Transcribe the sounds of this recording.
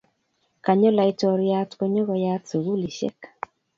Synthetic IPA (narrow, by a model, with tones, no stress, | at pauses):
ka˨ɲɔ˦la˨i˦tɔ˨ɾja˦tkɔ˦ɲɔ˦ɣɔ˨ja˦tsu˨ɣu˦li˨ʃɛ̰˦k